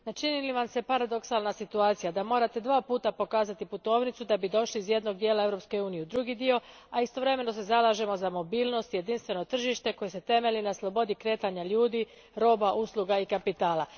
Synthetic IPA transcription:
nat͡ʃiniliʋamse̞paɾad̪o̞ksalˠnasit̪uaːt̪sijad̪amo̞ːɾat̪e̞d̪ʋaːpuːt̪apo̞kaːzat̪iput̪o̞ːʋnit̪sud̪abid̪o̞ʃliizje̞d̪no̞ɡ̚d̪jeːlˠae̞vɾo̞pske̞uːnijed̪ɾuɡid̪io̞ | aist̪oʋɾe̞me̞no̞s̬e̞zalaʒe̞mo̞zamo̞biːlno̞st̪je̞d̪inst̪ʋe̞no̞t̪r̩ʒiʃt̪e̞ko̞jese̞t̪e̞me̞linaslˠo̞bo̞d̪ikɾe̞ːt̪aɲaʎuːd̪i | ɾo̞ːbaʔuslˠuɡaikapit̪aːlˠa

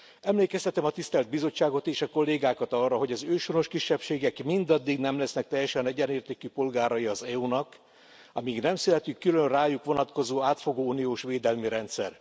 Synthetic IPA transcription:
ɛmleːkɛst̪ɛt̪ɛmɒt̪ist̪ɛld̪̚bizo̞t͡ʃːaːɡo̞t̪eːʃɒkolːeːɡaːkɒt̪ɒrːɒɦo̞ɟɒzøːʃoɾo̞ʃkiʃːɛpʃeːɡɛkmind̪ɒd̪ːiɡnɛmlɛsnɛk̚t̪ɛjːɛʃɛnɛɟɛneːrt̪eːkypo̞lɡaːɾɒjiɒzɛunɒk | ɒmiɡnɛmsylɛt̪ykːylønraːjukʋo̞nɒt̪ko̞zoːaːt̪fo̞ɡoːunijoːʃʋeːd̪ɛlmiɾɛnt̪sɛr

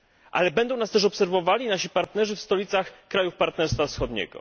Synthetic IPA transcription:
ʔa̰lɛbɛnd̪ɔ̃w̃nast̪ɛʂ̬ɔpsɛɾvɔvalʲinaɕipaɾt̪nɛʐɘfst̪ɔlʲit̪saxkɾajufpaɾt̪nɛɾst̪fafsxɔd̪ɲɛ̰ɡɔ̰

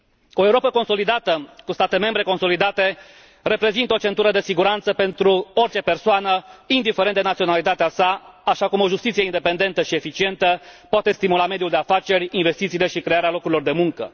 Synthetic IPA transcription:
o̞euɾo̞pəko̞nso̞lid̪at̪əkust̪at̪e̞me̞mbɾe̞ko̞nso̞lid̪at̪e̞ | re̞pɾe̞zint̪əot͡ʃe̞nt̪uɾəd̪e̞siɡuɾant̪səpe̞nt̪ɾuo̞rʲt͡ʃe̞pe̞rsoanəind̪ifeɾend̪enat̪sio̞nalit̪at̪easaaʃakumo̞ʒust̪it̪sijeind̪e̞pe̞nd̪e̞nt̪əʃie̞fit͡ʃie̞nt̪əpoat̪e̞st̪imulame̞d̪ijuld̪e̞afat͡ʃe̞ɾʲinve̞st̪it̪siːle̞ʃikɾe̞aɾealo̞kuɾʲilo̞rd̪e̞muŋkə̰

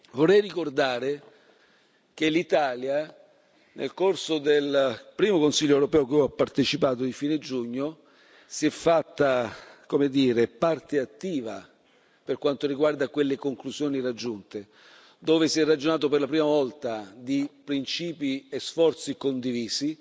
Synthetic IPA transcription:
vorːɛjrikord̪aːɾe | kelːit̪aːlja | nʔḛlkorsod̪elpɾiːmokonsilʎːoɛwɾopɛːokeɔapːart̪et͡ʃipaːt̪od̪ifiːned͡ʒuɲːo | siɛfːat̪ːakomed̪iːɾepart̪eat̪ːiːva | perkwant̪oɾiɡward̪akwelːekoŋklusjoːnirad͡ʒːunt̪e | d̪oːvesiɛrːad͡ʒonaːt̪operlapɾiːmavɔlt̪ad̪ipɾint͡ʃiːpiesfɔrt̪sikond̪iviːsi

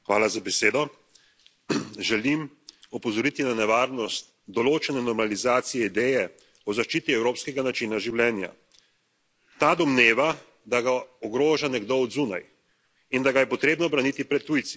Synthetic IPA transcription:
xʋaːlazabɛseːd̪ɔ | ʒɛlim | ɔpɔzɔɾit̪inanɛʋaːɾnɔst̪ | d̪ɔloːt͡ʃɛnɛnɔɾmalizaːt̪sijɛid̪ɛjɛ | ɔzaʃt͡ʃiːt̪iɛwɾoːpskɛɡanat͡ʃinaʒiwljɛːnja̰ | t̪ad̪ɔmneːʋa | d̪aɡaɔɡɾoːʒanɛɡd̪oɔd̪zuna̰j | ind̪aɡajɛpɔt̪ɾeːbnɔbɾanit̪ipɾɛt̪ːujt̪si̥

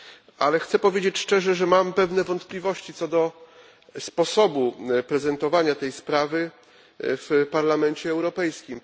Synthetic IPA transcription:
alɛxt̪sɛpɔvʲjed͡ʑet͡ɕʂt͡ʂɛʐɛʐɛmampɛvnɛvɔnt̪plʲivɔɕt͡ɕit̪sɔd̪ɔ | spɔsɔbupɾɛzɛnt̪ɔvaɲat̪ɛjspɾavɘ | fpaɾlamɛɲt͡ɕɛːwɾɔpɛjskʲim

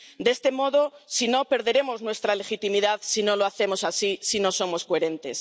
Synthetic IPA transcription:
d̪est̪e̞mo̞ðo̞sino̞pe̞ɾðe̞ɾe̞mo̞znwe̞st̪ɾale̞xit̪imiðaðsino̞loaθe̞mo̞sasisino̞so̞mo̞skoe̞ɾe̞nt̪e̞s

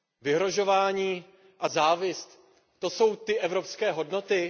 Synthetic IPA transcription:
vɪɦɾo̞ʒo̞vaːɲiː | ʔazaːvɪst̪ | t̪o̞so̞wt̪ɪʔɛvɾo̞pskɛːɦo̞dno̞t̪ɪ

